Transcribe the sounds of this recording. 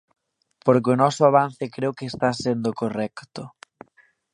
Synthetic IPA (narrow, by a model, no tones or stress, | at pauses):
poɾk̬ɪʊnɔsʊaβan̟θɪkɾeokeːst̪asend̪ʊkorɛkt̪ʊ